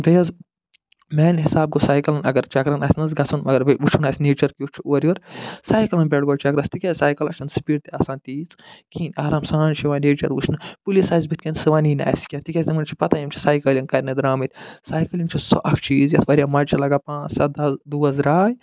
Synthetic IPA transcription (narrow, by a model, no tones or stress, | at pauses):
d̪ɐjɐz | meːnɦisaːb̚ɡosaːjkɐlɐnɐ̰ɡɐɾt͡ʃɐkɾɐnasnɐzɡɐt͡sʰɐnmɐɡɐɾbiut͡ʃʰunaːsʲneːt͡ʃɐɾkiut͡ʃʰuʔoɾʲiʋɐɾsaːjkɐlɐnbʲeʈɡoɖt͡ʃɐkɾɐst̪ikʲɐsaːjkɐlɐ̰t͡ʃʰɐnsi̥piːɖt̪iɐsãːnt̪iːt͡skʰiːnaːɾaːmsãːnt͡ʃʰiʋaneːt͡ʃɐɾʋut͡ʃʰnɨpulisaːzbit̪ʲkɐnsɨʋaːnina̰ːjskʲãnt̪ikʲɐsʲd̪imɐnt͡ʃʰi̥pɐt̪ajimt͡ʃʰi̥saːjkɐliŋkɐɾʲnɐd̪ɾaːmit̪ʲsaːjkɐlʲiŋt͡ʃʰiso̰ʔɐkt͡ʃʰiːzjɐt̪ʰʋɐɾʲijamɐt͡ʃʰɐlɐɡaːpãːt͡ssɐt̪̚d̪ɐzd̪uːɐzɾaːj